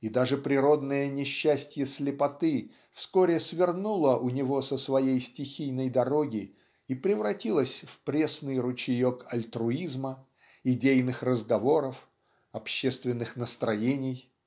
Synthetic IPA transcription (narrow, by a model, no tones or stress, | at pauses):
id̪aʐɨpɾʲɪɾo̞d̪nəjənʲɪɕːæsʲtʲjəsʲlʲɪpɐt̪ɨ | fskoɾʲɪsvʲɪrnulˠəʔʊnʲɪvo̞səsvɐjejsʲtʲɪxʲijnəjd̪ɐɾo̞ɡʲɪ | ipɾʲɪvɾɐtʲilˠəsʲfpɾʲe̞snɨjrʊt͡ɕɪjokɐlʲt̪ɾʊizmə | ɪdʲejnɨxrəzɡɐvo̞ɾəf | ɐpɕːest̪vʲɪnːɨxnəst̪ɾɐjenʲɪj